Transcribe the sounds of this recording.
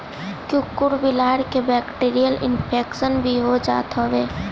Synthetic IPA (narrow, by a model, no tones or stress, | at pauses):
kjũːkʊɾbɪlaːɽkebɛːkʈiːɾijəlɪ̰npʰeːkʃənbʱiɦod͡ʒa̰ːt̪oʋeː